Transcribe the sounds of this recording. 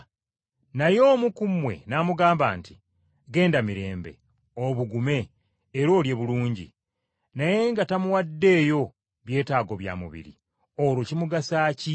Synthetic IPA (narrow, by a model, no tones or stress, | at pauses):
najo̞ːmukumwe̞̰namuɡaːmba̰ːnti̥ | ɡe̞ːndamiɾe̞̰ːmbe̞̰ | oβuɡume̞ː | ɾo̞ːlje̞βuluːɲɟḭ | naje̞ŋɡatamuwadːe̞ːjo̞ | βje̞ːtaːɡo̞βja̰ːmṵβḭɾḭ | oɾwocimuɡasaːci